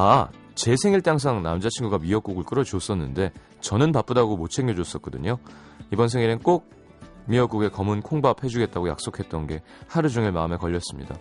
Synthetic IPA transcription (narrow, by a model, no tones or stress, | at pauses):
a | t͡ɕe̞sʰe̞ŋiɭt͈aŋs̬ʰaŋnamd͡ʑat͡ɕʰinɡuɡamiʌk͈uɡɯɭk͈ɯɾʌd͡ʑos͈ʌnːɯnde̞ | t͡ɕʌnɯnpap͈ɯdaɡomot͡ɕʰe̞ŋɡjʌd͡ʑos͈ʌt̚k͈ʌdɯɲo | ibʌnsʰeŋiɾɯnk͈ok̚ | miʌk͈uɡe̞kʌmɯnkʰoŋbapʰhe̞d͡ʑuɡe̞t̚t͈aɡoja̰k̚s͈okʰe̞t̚t͈ʌnɡe̞ | haɾɯd͡ʑuŋeɭmaɯme̞kʌʎːʌs͈ɯmɲḭda̰